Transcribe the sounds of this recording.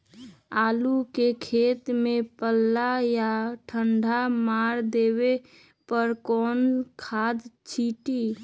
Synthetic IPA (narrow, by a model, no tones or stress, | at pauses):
aːlukekʰeːt̪mepəlːajaʈʰəɳɖʱamaɾd̪eβe | pəɾkɔːnkʰad̪t͡ʃʰiʈi